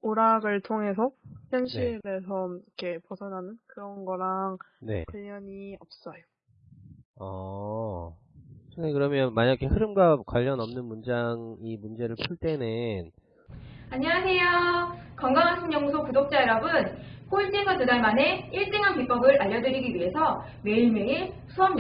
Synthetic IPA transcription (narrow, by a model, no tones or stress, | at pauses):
oɾaɡɯɭtʰoŋɦe̞sʰʌçjʌnɕʰiɾesʰʌmikʰe̞pʌsʰʌnɦanɯnkɯɾʌnɡʌɾaŋne̞̰kwaʎːʌɲiʌp̚s͈ʌjo | ʌ | t͡ɕɯekɯɾʌmjʌnmaɲaikʰehɯɾɯmɡakwaʎːʌnʌmnɯnmund͡ʑaŋimund͡ʑe̞ɾɯɭpʰuɭt͈e̞nɯn | aɲiwasʰe̞jokʌŋɡaŋansʰʌŋɲʌŋusʰopudok̚t͡ɕ͈aeɾʌbɯnkoit͡ɕ͈ʰeŋɡatudaɭmane̞iɭs͈eŋɦankip͈ʌɡɯɾʔaʎːʌdɯɾiɡiɥiɦe̞sʰʌ | me̞iɭme̞i | sʰuʌm